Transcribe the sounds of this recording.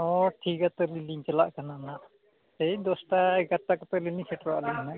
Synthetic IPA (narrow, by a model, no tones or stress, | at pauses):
ɔʈʰikat̪ɔliliŋt͡ʃalaʔkananaʔ | t̪ejd̪ɔsʈaɛɡaʈːakɔt̪ɔlilisɛʈɾa̰ʔliŋna